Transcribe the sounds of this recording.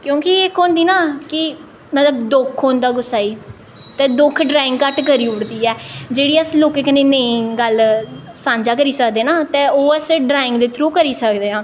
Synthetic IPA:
kjõːkɪeːkoːnd̪iːnaːkɪ | mət̪ləbd̪ʊkʰːoːnd̪aːɡʊsaːiː | t̪ɛ̃ːd̪ʊkʰɖɾaːɪ̃ŋɡkəʈkəɾiːʊɽd̪iːɛːd͡ʒeːɽiːəsloːkeːkəneːnəĩːɡəlsãːɲd͡ʒaːk̬əɾiːsəkd̪eːnaːt̪ẽːoːɛsɖɾaːɪ̃ŋɡd̪eːt̪ʰɾuːkəɾiːsəkd̪eːãː

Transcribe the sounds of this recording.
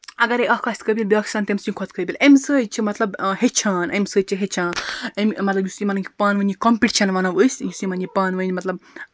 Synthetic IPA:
ɐɡɐɾeʔɐkʰaːsʲt̪kəbʲilbʲiaksaːnt̪emsĩnʲkʰot̪kəbʲilʔemsəːjt͡ʃʰimɐt̪lɐbhet͡ʃʰaːnemsəːt͡ʃʰiɦet͡ʃʰaːnemmɐt̪lɐbjusimɐnŋkʲi̥paːnʋənʲikompiʈt͡ʃʰɐnʋɐnɐʋəsʲjusimɐnipaːnʋɐnʲmɐt̪lɐb̚

